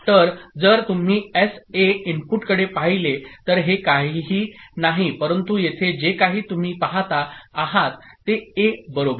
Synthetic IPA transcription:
t̪əɾd͡zəɾt̪um̤iːeseimpuʈkəɽepaɦilet̪əɾɦekaɦiɦiːnaɦipəɾənt̪ujet̪ʰed͡ʑekaɦiːt̪um̤iːpaɦat̪aːɦat̪ːeebəɾobə

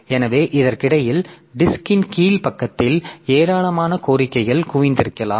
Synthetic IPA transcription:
ɛnɐʋeːʔɪðɐɾkɪɽɐjɪlɖɪskɪnkiːlpɐkːɐt̪ːɪleːɾaːɭɐmaːnɐkoːɾɪkːɐɪɣɐɭkʊʋɪnd̪ɪɾɯkːɐla̰ːmm

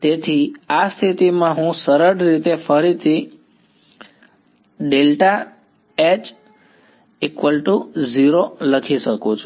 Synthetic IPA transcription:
t̪et̪ʰiast̪ʰit̪imãɦũsəɾəɽɾit̪efəɾit̪ʰi | ɖelʈa | et͡ʃ | ekʋəlʈuziɾoləkʰiʃəkũt͡ʃʰu

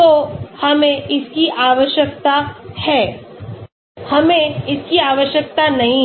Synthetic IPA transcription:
ohɐmẽʔɪskiʔaːʋəʃjək̚t̪ahɛː | hɐmẽɪskiaːʋəʃjək̚t̪anɐɦĩ

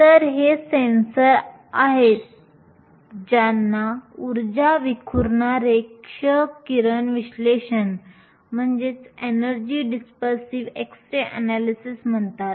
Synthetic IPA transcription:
t̪əɾɦesensəɾ | aɦet̪̚ | d͡ʑanːauɾd͡ʑaʋikʰuɾɳaɾekʂəkiɾənʋiɕleɕən | m̤əɳd͡ʑet͡senəɾd͡ʑiːɖispəɾsiʋeksʈɾeʔənælisism̤əɳt̪at̪

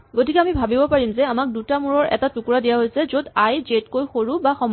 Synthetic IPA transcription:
ɡotikɛamibʱabibɔpaɹimzɛamak̚dutamuɹɔɹʔɛ̰tatukuɹadijaɦojsɛzodajzetkojxoɹubaxɔm

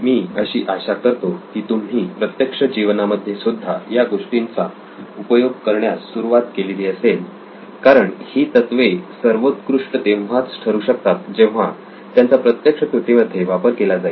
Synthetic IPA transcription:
miːəɕiːʔaɕakəɾt̪okiːt̪umɦiːpɾət̪jəkʂəd͡ʑiʋnaməd̪ʱːjesud̪ʱːajaɡoʂʈint͡sa | upəjoɡ̚kəɾɳjasːuɾuʋat̪keliliːəsel | kaɾəɳhiːt̪ət̪ʋesəɾʋot̪kɾuʂɳət̪eʋat͡sʈʰəɾuɕək̚t̪at̪̚d͡ʑẽʋ̤a | t̪jant͡sapɾət̪jəkʂək̪ɾut̪iməd̪ʱːjeʋapəɾkelad͡zai

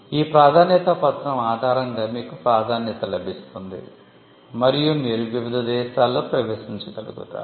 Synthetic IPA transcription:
iːpɾaːd̪ʱaːnjɐt̪ɐpɐt̪ɾɐmaːd̪ʱaːɾɐŋɡaːmiːkupɾaːd̪ʱaːnjɐt̪ɐlɐbʱist̪und̪ḭ | mɐɾijumiːɾuʋiʋid̪ɐd̪ɛːʃaːlːoːpɾɐʋeːʃiɲt͡ʃɐkɐlṵɡṵʈ̪a̰

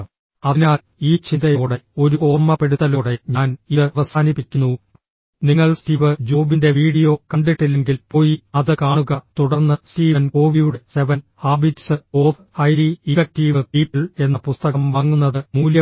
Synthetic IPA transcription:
ɐinaː | iːt͡ɕind̪ɐjo̞ːɽe̞o̞ɾuo̞ːrmɐpe̞ɽuðɐlo̞ːɽe̞ɲaːniðɨɐʋɐsaːnipːikʲːunːu | niŋːɐɭstiʋɨd͡ʑoːbinde̞ʋiːɽijo̞ːkɐɳɖiʈːilːe̞ŋɡilpo̞ːjiɐðɨkaːɳuɣɐt̪uɽɐrnːɨstiːʋɐnko̞ːʋijuɽese̞ʋɐnhaːbitsɨo̞ːf | hɐjɾiifɐk̚tiːʋɨpiːpːiɭe̞nːɐpust̪ɐɣɐmʋɐŋːunːɐðɨmuːljɐ

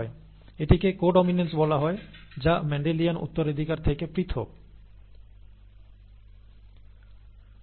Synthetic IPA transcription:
e | eʈikekoɖominensbɔlaɦɔed͡ʑamɛɳɖelijanṵt̪ːoɾed̪ʱikaɾt̪ʰekepɾit̪ʰo̰k̚

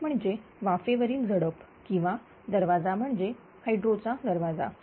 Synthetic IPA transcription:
m̤əɳd͡zeʋafeʋəɾiːld͡zəɽəp | kĩw̃ʋa | d̪əɾʋad͡zam̤əɳd͡ze | hajɖɾot͡sad̪əɾʋad͡za̰

